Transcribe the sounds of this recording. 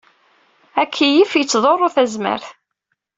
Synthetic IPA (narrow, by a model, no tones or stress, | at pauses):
ækʰːijifjət͡sːðˤorˤːʊθæzmə̰ɾθ